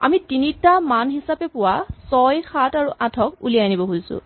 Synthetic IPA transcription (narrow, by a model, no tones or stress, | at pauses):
a̰mitinitamanɦisapɛpʊwasɔjxataɹuʔãtʰɔkulianibɔɦojsʊ̰̃